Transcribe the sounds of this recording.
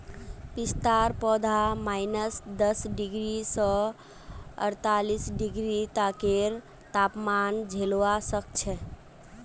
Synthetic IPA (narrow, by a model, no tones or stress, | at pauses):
pist̪aɾpɔd̪ʱamaɪnəsd̪əsɖiɡɾisɔ̃ | ə̰ɾt̪alisɖiɡɾit̪akeɾ | t̪apmand͡ʒʱelʋasək̚t͡ʃʰɛ